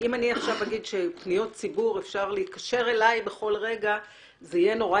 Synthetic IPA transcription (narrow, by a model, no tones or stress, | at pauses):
imaniaχʃavhaɡid̪ʃe̞pnijo̞t̚t͡sibuʁefʃaʁleit̪̚kaʃe̞ʁe̞lajbe̞χo̞lʁe̞ɡa | zeijeno̞ʁa